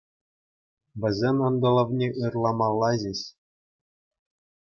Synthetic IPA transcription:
ʋʲɘ̆zʲenʲɤ̆nd̪ɤ̆lˠɤ̆ʋnʲeʔɯrlˠɑmɑlˠːɑʑĕɕ

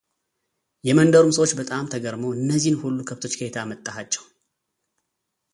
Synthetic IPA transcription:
jɛmənd̪əɾumsəwot͡ʃːbət̪ʼamt̪ʰəɡəɾmoɨnːəzːihnhulːukʰəβt̪ʰo̞t͡ʃːkʰəet̪ʰamət̪ʼːahat͡ʃːɛw

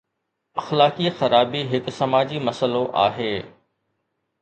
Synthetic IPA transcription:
ɐxlaːkixɐɾaːbiɦɪksɐmaːd͡ʑimɐsəloʔa̰ːɦeː

